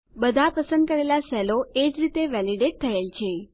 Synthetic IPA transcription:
bəd̪ʱapəsə̃nd̪̚kəɾelasɛloed͡ʒɾit̪eʋɛliɖeʈ̚t̪ʰəelt͡ʃʰe

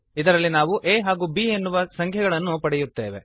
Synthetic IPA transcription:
id̪ɐɾɐlːinaːʋuʔeːɦaːɡuːbiːenːuʋɐsɐŋkʰɛɡɐɭɐnːupɐɽɛjut̪ːe̞̰ːʋe

